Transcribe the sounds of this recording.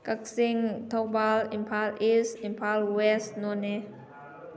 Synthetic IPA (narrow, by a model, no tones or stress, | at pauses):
kak̚siŋt̪ʰok̚balimpʰalʔisimpʰalwɛsnɔne